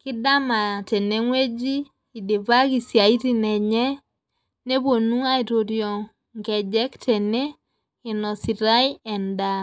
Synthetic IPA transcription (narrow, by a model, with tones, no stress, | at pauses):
kɪ˦da˦ma˨tɛ˨ne˦ŋwe˦d͡ʒi˦ | i˨de˨va˦ki˨sja˨i˦ti˦nɛ˨ɲɛ˦ | ne˦βwo˨nu˦a˦i˨ɾo˨ɾjɔ˨ | ŋɡɛ˨d͡ʒɛ˦ktʰɛ˨ne˦ | ɪ˨nɔ˨si˨ɾa˦jɛ˨nda˨